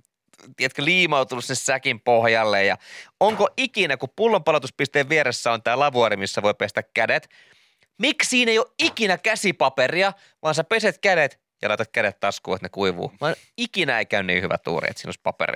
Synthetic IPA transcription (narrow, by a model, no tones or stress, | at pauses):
t̪iet̪køliːmɑut̪unusinːssækimpohjɑlːejjɑ̰oŋkoʔikinækuppulːompɑlot̪uspist̪eːʋʋieɾesːæont̪æːlɑʋuɑɾimisːæʋojpest̪ækkædet̪ | mikssiːnejoʔikinækæsipɑperiɑ | ʋɑːnsæpeset̪kædet̪ | jɑ̰lɑˑit̪ɑt̪̚kædet̪t̪ːɑskuːet̪nekuiʋṵːʋɑːn | ikinæeikæynnḭːhyʋæ̰t̪ṵːrḭet̪siːno̰ispɑpḛrḭ